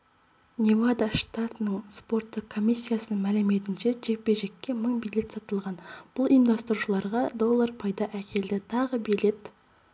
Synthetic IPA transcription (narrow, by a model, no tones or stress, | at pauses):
nʲevad̪aʃt̪at̪ənəɴspo̞ɾt̪ːəq̚kʰːo̞mʲijsʲːijasəmælɪme̞t̪ɪnʃe̞ʒe̞k̚be̞ʒe̞kʲːe̞məɴbijlʲe̞t̪sɑt̪əlˠʁɑnb̥ʊlˠijnd̪ɑst̪əɾuʃəlˠɑɾʁɑd̪o̞lˠːaɾpʰɑjd̪ɑʔækʲe̞ld̪ɪt̪ʰɑʁəbijle̞t̪